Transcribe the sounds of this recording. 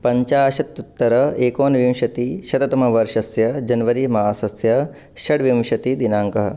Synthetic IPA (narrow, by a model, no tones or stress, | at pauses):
pɐɲt͡ʃaːʃɐt̪ːut̪ːɐɾɐeːkoːnʋimʃɐt̪iʃɐt̪ɐt̪ɐmɐʋɐɾʂɐsjɐd͡ʒɐnʋɐɾimɐɦaːsɐsjɐ | ʃɐɽʋimʃɐt̪id̪inaːŋkɐɦɐ̆